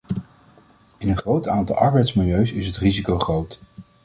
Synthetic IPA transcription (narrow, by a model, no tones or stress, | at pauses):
ɪnənχrowtaːntɑ̰lˠʔɑɹbɛjtsmɪlˠjøɥsɪsɦətrizikowχrowt